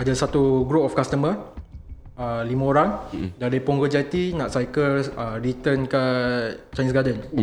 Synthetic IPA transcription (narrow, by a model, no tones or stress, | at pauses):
adasat̪uɡɾopɔfkast̪əmə | əlimãoɾaŋdaɾipɔŋɡəd͡ʒat̪inãʔsajkəərit̪ənkat͡ʃanisɡadən